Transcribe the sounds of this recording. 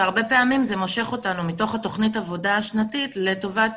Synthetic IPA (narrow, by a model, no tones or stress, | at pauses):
aʁbe̞pe̞amimze̞mo̞ʃe̞χo̞tanumito̞χhato̞χnitavo̞daːʃnatitle̞to̞vat